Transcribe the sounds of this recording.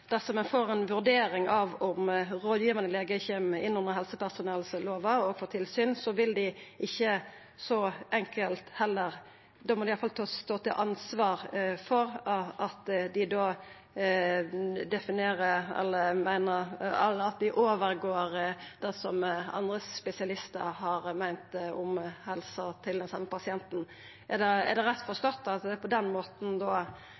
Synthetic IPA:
d̪̥æsɔmɛnfoːɾɛnʋʉɾd̪eːɾɪŋɑʋɔmɾoːd̪jiːʋənəleːɡəçɛmɪnːʊnəɾɦɛlsəpæʁsʊnɛlsloːʋɑɔɡfɔːt̪ʰɪlsyːnsɔʋɪld̪ɪɪçːə | sɔʔɛŋkəlt̪hɛlːəɾ | d̪oːmɔd̪ɪɑfɑlt̪ʰɑːsst̪oːt̪ɪlʔɑnsʋɑːɾfɔɾʔɑt̪d̪ɪd̪oː | d̪ɛfɪneːɾəɛ̰lːəmæɪnəɾɑlɑt̪̚d̪ɪʔoːʋəɾɡoːɾd̪̥ɛsɔmɑ̰nd̪ɾəspɛsɪɑlɪst̪əɾhɑɾmæɪnt̪ʊmhɛlsɑt̪ʰɪld̪ɛnsɑmːəpɑsɪɛnt̪n̩ | ʔæd̪ɛɛ̰ɾd̪ɛɾɛt̪ːfɔɾst̪ɔt̪ːɑt̪ɛpʰɔd̪ɛnmoːt̪n̩d̪o

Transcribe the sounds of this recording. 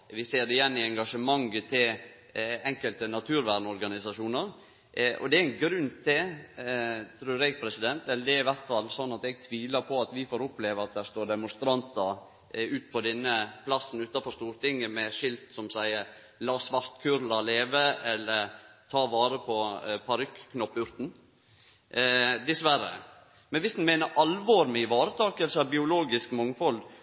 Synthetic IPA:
ʋɪseːɾd̪ɛjɛnːɪɛŋɡɑʂəmɑŋːət̪ʰɪl | ɛŋkəlt̪ənɑt̪ʰʉːɾʋæɾnɔɾɡɑnɪsɑʂuːnəɾ | ʔɔ̰d̪ɛæɪnɡɾʉnt̪ʰɪ | t̪ʰɾʉːɾɛɡ̚pʰɾɛsɪd̪ɛnt̪ɛləd̪ɛɾɪʋæɾt̪fɑlːsɔnːɑt̪ɛɡ̚t̪ʰʋiːləpʰɔɑt̪ʋɪfoːɾʊpleːʋəɑt̪̚d̪æɾst̪oːɾd̪ɛmʊnst̪ɾɑnt̪əɾ | ʉːt̪̚pʰɔd̪ɛnːəpʰlɑsn̩ʉːt̪ɑfɔɾst̪uːɾt̪ɪŋːəmɛʂɪlt̪sɔmsæɪəɾ | lɑːsʋɑɾt̪kʰʉːɾlɑleːʋəɛlːəɾt̪ʰɑːʋɑːɾəpʰɔpʰɑɾʏkːkːnɔpːʉɾt̪n̩ | d̪ɪsʋæɾə̰ | mɛnʋɪsd̪n̩mæɪnəɾʔɑlʋoɾmɛɪʋɑːɾət̪ʰɑːkəlsəɑʋbɪʊloːɡɪskmɔŋfɔl

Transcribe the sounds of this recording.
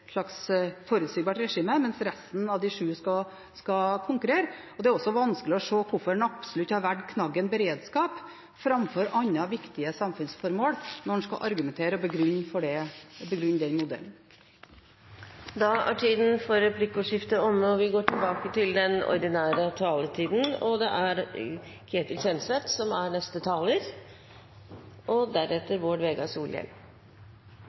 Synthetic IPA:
ʂɭɑksfoːɾʉt̪siɡbɑːʈɾɛʂiːməmɛnsɾɛst̪n̩ɑʋd̪ɪʂʉːskɑ | skɑkʰʊŋkʉɾeːɾə | ɔd̪ɛæɾɔsːɔʋɑnskəlɪɔʂoːkʰʊfɔɖɛnɑpsɔlʉt̪ːhɑɾʋæʈkʰnɑɡːənbəɾeːd̪skɑːp | fɾɑmfɔɾʔɑɲːɑʋɪkt̪ɪəsɑmfʉnsfɔɾmoːɽnɔn̩skɑ̰ʔɑɾɡʉmɛnt̪ʰeːɾəɔbəɡɾʉnːfɔɖɛbəɡɾʉnːd̪ɛnmʊd̪ɛ̰ln | d̪ɑæ̰ʈʰiːd̪n̩fɔɾɛpʰlɪkːʊʂɪft̪əɔmːəɔʋɪɡoːʈʰɪlbɑːkət̪ɪld̪ɛnɔ̰ɾd̪ɪnæːɾət̪ʰɑːlət̪ʰiːd̪n̩ɔd̪ɛʔæɾ | kʰɾeːt̪əlçɛnsʋɛt̪sɔmæɾnɛst̪ət̪ʰɑːləɾ | ʔɔd̪æɾɛt̪ːəɾʋoːɖʋeːɡɑsuːljɛ̰l

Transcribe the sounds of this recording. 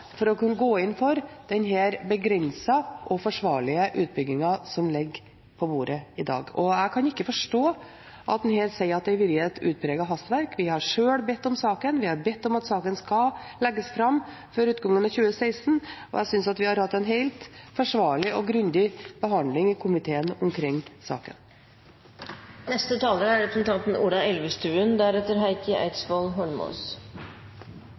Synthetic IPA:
fɔɾɔkʉnːɡoːɪnfɔɾd̪̥ɛnɦeːɾbəɡɾɛnsɑʔɔfɔʂʋɑːɭɪəʔʉːt̪̚bʏɡːɪŋɑsɔmlɪɡː | pʰɔbuːɾəɪd̪ɑ̰ːɡɔæɪkʰɑnɪkːəfɔʂʈoː | ʔɑ̰t̪̚d̪ɛnheːɾsɛɪəɾɑt̪̚d̪ɛɪʋɪɾɛt̪ʉ̰ːt̪̚pʰɾeːɡɑɦɑst̪ʋæɾkʋɪhɑɾʂøːlbɛt̪ːɔmsɑːkənʋɪhɑɾbɛt̪ːɔmɑt̪sɑːkənskɑlɛɡːəsfɾɑmː | fɔɾʉːt̪ɡɑŋːənɑçʉːəsæɪst̪n̩ɔ̰jæɪsʏnsɑt̪ʋɪhɑɾhɑt̪ːɛɪnɦeɪlt̪fɔʂʋɑːɭɪʔɔɡɾʉnd̪ɪb̥əɦɑnd̪lɪŋɪkʰʊmɪt̪ʰeːənɔmkʰɾɪŋːsɑ̰ːkə̰n | nɛst̪ət̪ʰɑːləɾæɾɛpɾəsnt̪ʰɑnt̪n̩uːɖ̪ɑɛlʋəst̪ʉːənd̪æɾɛt̪ːəɾɦæɪkəæ̰ɪt̪sbɔlɦɔlmo̰ːs

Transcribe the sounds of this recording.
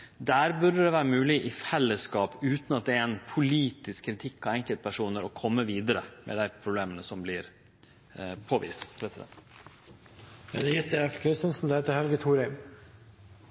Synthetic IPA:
d̪æːɾbʉɖəd̪ɛʋæːɾəmʉːlɪʔɪfɛlːəskɑːpʉːt̪nɑt̪̚d̪ɛɾɛnpʰʊliːt̪ɪskʰːɾɪt̪ʰɪkːɔɛŋkəlt̪̚pæʂuːnəɾɔkʰɔmːəʋiːd̪əɾəmʔɛ̰d̪æɪpʰɾʊbleːmənəsɔmblɪɾ | pʰoːʋḭːst̪ʰɾɛt̪sɪd̪ɛ̰n | ɛ̰d̪jɪt̪d̪ɛfkʰɾɪst̪ənsn̩d̪heːt̪əɾhɛlɡət̪ʰuːɾɛɪm

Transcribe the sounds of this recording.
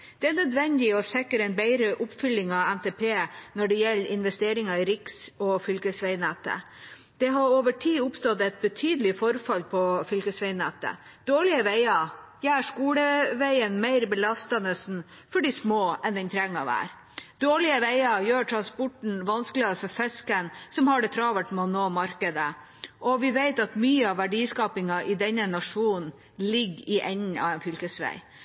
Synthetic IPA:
d̪̥ɛænœd̪ʋɛnd̪ɪɔsɛkːəɾɛnbæɪɾəʔʊpfʏlːɪŋɑænt̪ʰeːpʰeːnɔɖɛjɛlːʔɪnʋɛst̪eːɾɪŋɑɪɾɪksɔfʏlkəsʋæɪnɛt̪ə̰ | d̪̥ɛɦɑɾoːʋəʈʰiːʊpst̪ɔt̪ɛt̪̚bət̪ʰyːd̪əlɪfɔɾfɑlpʰɔfʏlkəsʋɛɪnɛt̪ə̰ | d̪oːɭɪəʋæɪɑjæːʂkuːləʋæɪənmæɪɾbəlɑst̪ɑnəsn̩ | fɔɖɪsmoːɛnd̪ɛnt̪ʰɾɛŋːɑʋæ̰ːɾ | d̪oːɭɪəʋeɪɑjøːʈʰɾɑnspɔʈɳ̩ʋɑnsklɪɑɾfɔɾfɛskənsɔmhɑɖɛt̪ʰɾɑːʋəʈmɛɔnoːmɑɾkəd̪ə | ʔɔʋɪʋeɪt̪ɑt̪myːəɑʋæɖiːskɑːpɪŋɑʔɪd̪ɛnːənɑʂuːnn̩ | lɪɡːɪʔɛɲɑ̰ʋɛnfʏlkəsʋæ̰ɪ

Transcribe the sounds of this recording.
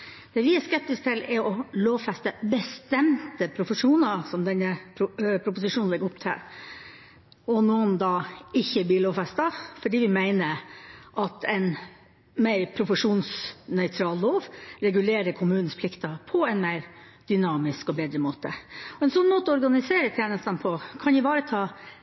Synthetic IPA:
d̪̥ɛːʋɪæskɛp̚t̪ɪsk̚t̪ʰɪlɛɾɔloːʋfɛst̪əbəst̪ɛmt̪əpʰɾʊfəʂuːnɑsɔmd̪ɛnːəpʰɾʊpʊsɪʂuːnɛɡːəʊpt̪ʰɪ̰ | ɔnoːnd̪ɑːɪçːəblɪːɭoːʋfɛst̪ɑfɔɖiːʋɪmæɪnəɾʔɑt̪ʰɛɪn | mæɪɾpʰɾʊfəʂuːnsnœʏt̪ʰɾɑːlloːʋɾɛɡʉleːɾəɾkʰʊmʉːnn̩spʰlɪkt̪ɑpʰɔɛnmeɪɾ | d̪̥ʏnɑːmɪskɔbeːd̪ɾəmoːt̪əɔɛɪnsɔnːmoːt̪əɔɔɾɡɑnɪseːɾət̪ʰjæːnəst̪ɑnpʰɔkʰɑnjɪʋɑːɾət̪ʰɑː

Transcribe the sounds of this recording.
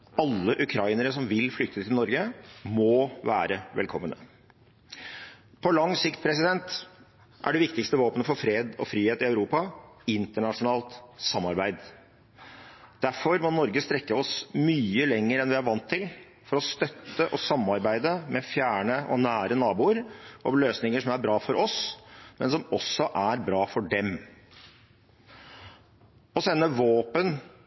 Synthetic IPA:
ɑlːəʔʉkʰɾɑɪnəɾəsɔmʋɪlflʏk̚t̪ət̪ʰɪlnɔɾɡəmɔʋæ̰ːɾəʋɛ̰lkʰɔmːənə̰ | pʰɔlɑŋsɪkt̪̚pʰɾɛsɪd̪ɛnt̪ | ʔæ̰ɖɛʋɪkt̪ɪkst̪əʋoːpənəfɔɾfɾeːd̪ɔ̰fɾiːheːt̪ɪœʉɾuːpɑɪnt̪əɳɑʂʊnɑːlt̪sɑmːɑɾbæɪd̪ | d̪̥æɾfɔɾmɔnɔɾɡəst̪ɾɛkːəɔsmyːəlɛŋːəɾɛnʋɪæɾʋɑnt̪ʰːɪl | fɔɾɔst̪œt̪ːəʔɔsɑmːɑɾbæɪd̪əmɛfjæːɳəʔɔ̰næːɾənɑːbuːəɾʔɔʋløːsnɪŋəʂɔmæɾbɾɑːfɔɾʔɔsmɛnsɔmɔsɔʔæɾbɾɑːfɔɖɛm | ɔsɛnːəʋoːpən

